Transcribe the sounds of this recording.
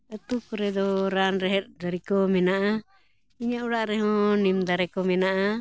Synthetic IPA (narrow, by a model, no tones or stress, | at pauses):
ɛt̪ukɾɛd̪ɔɾanɾɛɦɛɾd̪aɾikɔmɛnaʔa | iɲauɽaʔɾɛɦɔ̃nimd̪aɾɛkɔmɛnaʔa